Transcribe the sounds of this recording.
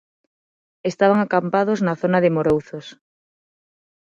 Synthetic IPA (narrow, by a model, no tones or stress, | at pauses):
est̪aβ̞aŋakampaðoznɐθonɐðɪmoɾowθos